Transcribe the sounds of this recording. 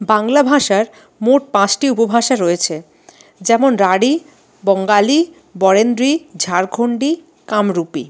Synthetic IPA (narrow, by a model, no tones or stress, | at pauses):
baŋlabʱaʃaɾ | moʈ̚pãt͡ɕʈiupobʱaʃaɾoet͡ɕʰe | d͡ʑɛmonɾaɽi | bɔŋɡali | bɔɾend̪ɾid͡ʑʱaɾkʰoɳɖi | kamɾupḭ